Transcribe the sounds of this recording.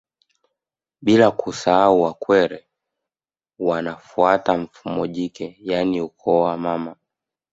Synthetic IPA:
ɓilakusaauwakwɛɾɛ | wanafuataɱ̩fumɔʄikɛjaniukʰɔwamama

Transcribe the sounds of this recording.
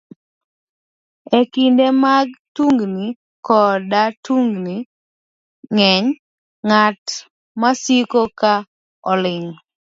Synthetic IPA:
ekindemaɡtuŋɡni | kɔdatuŋɡni | ŋɛɲ | ŋat | masikoka | ɔlɪŋ

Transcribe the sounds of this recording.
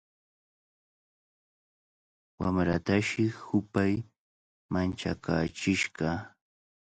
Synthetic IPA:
wamɾat̪aʃɪhʊpaj | mant͡ʃa̰kaːt͡ʃɪʃɢɑ

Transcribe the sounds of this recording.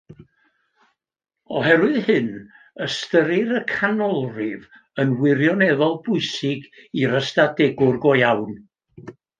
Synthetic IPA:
ɔɦɛɾwɨðhɨn | əstəɾɪɾəkʰanɔlˠrɪv | ənwɪɾjɔnɛðɔlˠbʊɨsɪɡiɾəstadɛɡʊrɡɔjawn

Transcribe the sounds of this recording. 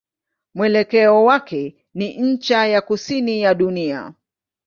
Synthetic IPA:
mwɛlɛkɛɔwakɛ | niɲ̩t͡ʃajakusinijaɗunia̰

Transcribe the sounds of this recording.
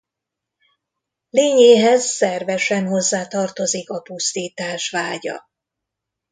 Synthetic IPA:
leːɲeːɦɛzsɛrvɛʃɛnho̞zːaːt̪ɒrt̪o̞zikɒpust̪iːt̪aːʃvaːɟɒ̰

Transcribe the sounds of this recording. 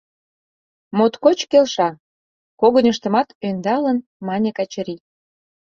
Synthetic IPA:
mot̪kot͡ɕkelʃɑ | koɣə̆nʲəʃt̪ə̆mɑt̪ønd̪ɑlən | mɑnʲekɑt͡ɕəɾi

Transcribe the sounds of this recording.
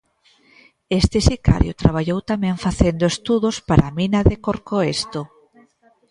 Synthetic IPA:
est̪ɪsika̰ɾjo̰t̪ɾaβ̞aʎowt̪amɛ̃ɱfaθend̪oest̪uðospaɾaminɐðekoɾkoest̪o

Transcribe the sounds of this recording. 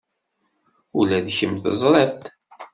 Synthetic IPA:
ulæðçəmθəzˤɾˤɛɾt̪

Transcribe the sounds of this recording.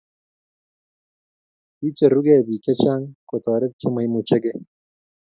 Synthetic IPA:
it͡ʃeɾuɡebikʲet͡ʃaːŋkot̪ɔːɾeb̚t͡ʃʰemɐjmut͡ʃeɡe

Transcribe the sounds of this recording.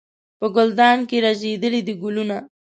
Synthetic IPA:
pəɡʊld̪ɑnkeɾazed̪əlid̪əɡʊluna

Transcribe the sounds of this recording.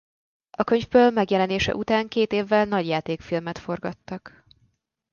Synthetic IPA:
ɒkø̞ɲvbøːlmɛɡjɛlɛneːʃɛ̰ʔut̪aːŋkeːt̪eːvːɛlnɒɟjaːt̪eːkfilmɛt̪fo̞rɡɒt̪ːɒk

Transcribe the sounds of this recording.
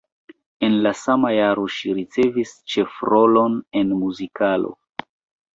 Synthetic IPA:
e̞nlasamajaɾo̞ʃiɾit͡se̞vist͡ʃe̞fɾo̞lo̞ne̞nmuzikalo̞̰

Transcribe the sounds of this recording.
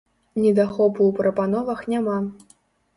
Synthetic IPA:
nʲɛd̪axɔpuwpɾɐpan̪ɔvɐxnʲama

